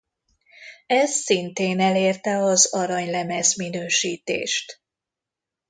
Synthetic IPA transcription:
ɛsːint̪eːnɛleːrt̪ɛɒzɒɾɒɲlɛmɛzminøːʃiːt̪ḛːʃt̪

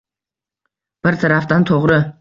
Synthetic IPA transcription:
b̥ɪɾt̪ʰaɾaft̪ant̪ʰoʁɾə

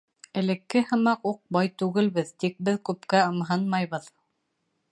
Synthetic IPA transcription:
ɘ̆lɘ̆kːɘhɤ̆mɑquq̚bɑjt̪ʉɡɘ̆lβɘðt̪ik̚bɘðkʉpkæɤ̆mɦɤnmɑjβɤð

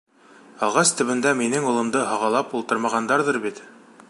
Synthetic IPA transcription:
ɑlˠʁɑst̪ɵ̆βɘ̆nd̪æminɘŋulˠɤ̆md̪ɤɦɑʁɑlˠɑpulˠt̪ɤ̆ɾmɑʁɑnd̪ɑɾðɤɾbit̪

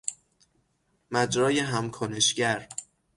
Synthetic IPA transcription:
mæd͡ʒɾɒːjeɦæmkʰoneʃɟæɾ

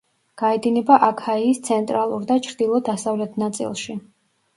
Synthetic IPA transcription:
ɡ̥aɛd̪inɛbaʔakʰaiːst̪sʰɛnt̪ʼɾalˠuɾd̪at͡ʃʰɾd̪ilˠɔd̪asavlɛt̪ʰnat̪sʼḭlˠʃi

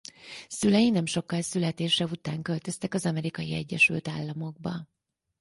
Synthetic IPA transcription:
sylɛjinɛmʃo̞kːɒlsylɛt̪eːʃɛbut̪aːŋkø̞lt̪ø̞st̪ɛkɒzɒmɛɾikɒjiɛ̰ɟːɛʃylt̪aːlːɒmo̞ɡ̚bɒ

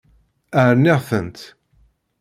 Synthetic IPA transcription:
æɾnɪʁθənt̪

